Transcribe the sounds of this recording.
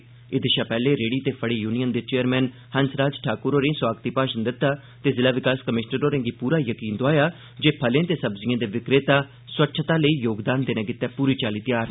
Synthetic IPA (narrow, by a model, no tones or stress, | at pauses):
ɪd̪ɪʃaːpɛːleːɾeːɽiːt̪eːpʰəɽiːjuːnijənd̪eːt͡ʃeːəɾmɛ̃ːn | hənsɾaːd͡ʒʈʰaːkʊɾoːɾẽːswaːɡt̪iːpaːʃənd̪ɪt̪ːaː | t̪eːzɪlaːʋɪkaːskəmɪʃnəɾoːɾẽːɡipuːɾaːjəkiːnd̪ʊaːjaː | d͡ʒeːpʰəlẽːt̪eːsəbzɪjãːd̪eːʋɪkɾeːt̪aː | swətːʃʰt̪aːləiːjoːɡd̪aːnd̪eːnɛ̃ːkɪt̪ːɛːpuːɾiːt͡ʃaːliːt̪ɪjaːɾ